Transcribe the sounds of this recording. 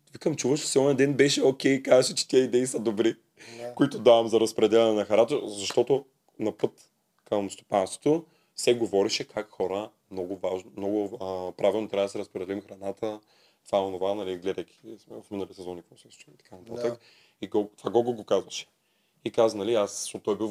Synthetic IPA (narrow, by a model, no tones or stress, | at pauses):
vikəmt͡ʃuvəʃt̪ɛ̥siɔnɛnd̪ɛnbɛʃɛokʲɛjkazɐʃɛt͡ʃɛ̥t̪ɛəid̪ɛisɐd̪obɾi | koit̪ʊd̪avɐmzɐɾɐspɾɛd̪ɛlʲɛnɛnɐxɐɾat̪əzɐʃt̪ɔt̪o | nɐpɤt̪ | kəmst̪o̥panst̪vo̥t̪o | fsɛɡovɔɾɛʃɛkʰakxɔɾə | mnɔɡʊvaʒnmnɔɡʊəpɾavilˠnot̪ɾʲavəd̪sɛɾɐspɾɛd̪ɛlimxɾɐnat̪ə | t̪ovaonovanɐliɡlɛd̪ɐjkʲʰi̥smɛvɐfminɐlisɛzɔnikɔsɛst͡ʃit̪ɐ̥kʰanɐt̪at̪ək | iɡɔt̪vaɡɔɡlˠɡokazvɐʃɛ̥ | ikaznɐliasʃt̪ot̪ːɔjbi